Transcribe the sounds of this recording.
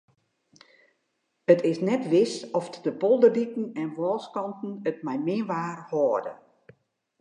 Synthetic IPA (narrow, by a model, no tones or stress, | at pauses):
ətʰɪsnɛtʋɪsɔfdəpɔlˠdərdikn̩ɛnʋɔːlˠskɑntn̩ət̚mɛjmɪənʋaːrhoːədə̰